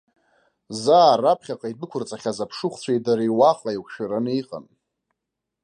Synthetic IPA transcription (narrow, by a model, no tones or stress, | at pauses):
zaːrapʰχʲaqʼaibɨkʷʰʊrt͡sʼaχʲazapʰʂɨχʷt͡sʷʰejdaɾijwaχlaikʷʰʃᶣaɾanijqʼa̰n